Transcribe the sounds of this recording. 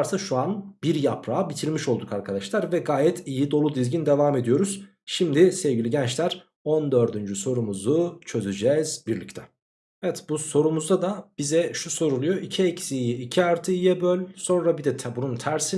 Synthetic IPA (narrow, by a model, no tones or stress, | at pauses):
ɾt̪ʰaʃuanb̥iɾjapʰɾaːbit̪ʰiɾmiʃo̞lˠd̪ukʰaɾkʰad̪aʃlˠaɾvɛɡaːjɛt̪ʰijid̪o̞lˠud̪izɟind̪e̞vaːme̞d̪ijo̞ɾuz̥ | ʃimd̪isɛvɟilʲiɟɛnt͡ʃlʲæɾ | ond̪ø̞ɾd̪ynd͡ʒyso̞ɾumuzut͡ʃʰø̞zyd͡ʒɛz̥biɾlʲict̪ʰɛ | ɛvɛt̪buso̞ɾumuzd̪ad̪ab̥izɛʃuso̞ɾulˠujo̞ʔicʰiecsiːjiːcʰiaɾt̪ʰɯijɛbølʲso̞nɾabid̪ɛt̪ʰɛbununt̪ʰæɾsi